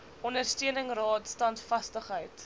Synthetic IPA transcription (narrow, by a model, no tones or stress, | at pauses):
ɔndərstiənəŋrɑːtstɐntfɐstəχɦəjt